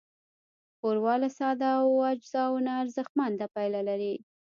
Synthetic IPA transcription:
xoɾwɑlasɑd̪awad͡ʒzɑwnaːɾzəxmand̪apajlalaɾi

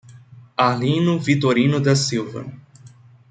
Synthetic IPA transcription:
alĩnʊvit̪oɾĩnʊd̪ɐsiwvɐ̰

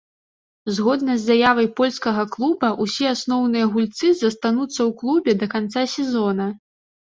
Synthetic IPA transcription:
zɣɔd̪nɐzʲːajavɐjpɔlʲskɐɣɐklˠubɐʔusʲiasnɔwnɨjɐɣulʲt̪sɨzɐst̪anut̪sːɐwklˠubʲɛd̪ɐkant̪sasʲɛzɔnɐ

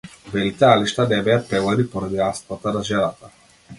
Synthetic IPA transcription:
vɛlit̪aaliʃt̪anɛbɛjapɾɛvad̪ipɔɾad̪iast̪vat̪anaʒɛnat̪a

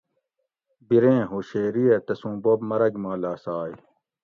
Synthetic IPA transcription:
biɾẽːɦoːɕeːɾiet̪ɐsũːbobmɐɾɐɡmaːlaːsaːj

